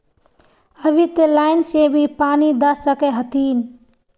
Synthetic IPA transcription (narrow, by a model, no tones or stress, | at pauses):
əbʱit̪elaːɪnsebʱipaːnid̪əsəkeɦət̪iːn